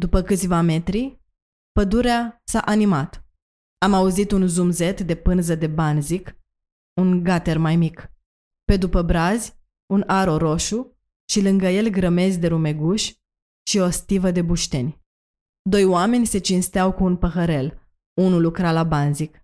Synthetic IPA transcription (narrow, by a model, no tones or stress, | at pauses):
d̪upəkɨt̪sʲvame̞t̪ɾi | pəd̪uɾeasaʔanimat̪ | amauzit̪unzumze̞t̪d̪e̞pɨnzəd̪e̞banzik | unɡat̪e̞rmajmik | pe̞d̪upəbɾazʲ | unaɾo̞ɾo̞ʃu | ʃilɨŋɡəje̞lɡɾəme̞zʲd̪e̞ɾume̞ɡuʃʲ | ʃio̞st̪ivəd̪e̞buʃt̪e̞nʲ | d̪o̞joame̞nʲse̞t͡ʃinst̪eawkuːnpəxəɾe̞l | unulukɾalabanzik